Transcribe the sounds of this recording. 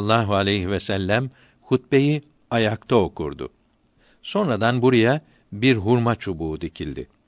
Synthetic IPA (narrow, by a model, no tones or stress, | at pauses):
lˠːaːɦualʲejɦivɛsælʲːæm | hʰut̪̚be̞ji | ajakt̪ʰao̞kʰṵɾd̪ʊ̰ | so̞nɾad̪anbuɾaja | biɾɦuɾmat͡ʃʰubuːd̪icʰilʲd̪ɪ̰